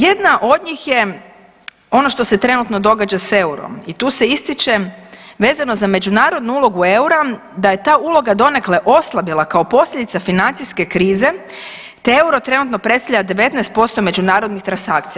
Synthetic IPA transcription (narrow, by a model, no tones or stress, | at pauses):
je̞d̪naʔo̞d̪ɲixje̞ | o̞no̞ʃt̪o̞se̞t̪ɾe̞nut̪no̞d̪o̞ɡad͡ʒase̞uɾo̰mit̪uːse̞ist̪it͡ʃe̞ʋe̞ːzano̞zame̞d͡ʒunaːɾo̞d̪nuulˠo̞ɡue̞uɾad̪aje̞t̪aːulo̞ɡad̪o̞ne̞kleʔo̞slˠabilˠakao̞po̞sʎʲed̪it̪safinant̪siske̞kɾiːze̞ | t̪ee̞uɾo̞t̪ɾe̞nut̪no̞pɾest̪avʎad̪e̞ʋe̞t̪nɛest̪̚po̞st̪o̞me̞d͡ʒunaːɾo̞d̪nixt̪ɾansakt̪sija